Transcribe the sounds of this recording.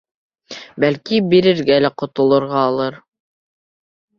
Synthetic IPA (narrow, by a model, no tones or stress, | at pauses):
bælkibiɾɘ̆ɾɡælæqŏt̪ŏlˠɤ̆ɾʁɑːlˠɤɾ